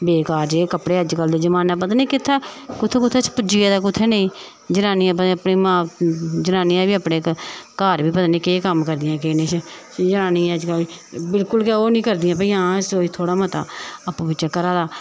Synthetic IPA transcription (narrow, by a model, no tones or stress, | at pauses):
beːkaːɾd͡ʒeːkəpɽeːəd͡ʒkəld̪eːd͡ʒəmaːnãːp̬ət̪anẽːkɪt̪ʰːeːkʊt̪ʰːeːkʊt̪ʰːeːt͡ʃpʊd͡ʒiːeːd̪aːk̬ʊt̪ʰːeːnẽĩː | d͡ʒənaːniːãːpəəpniːmãːd͡ʒənaːniːãːbiːəpɽeːkkaːɾbiːpət̪anẽːkeːkəmkəɾd̪ɪjãːkeːnẽːt͡ʃʰ | d͡ʒənaːniːɛ̃əd͡ʒkəlbɪlkʊlk̬eːoːnĩːkəɾd̪ɪjãːp̬əiãːsoːiːt̪ʰoːɽaːmət̪a̰ːəpːuːpɪt͡ʃãːkəɾaːd̪aː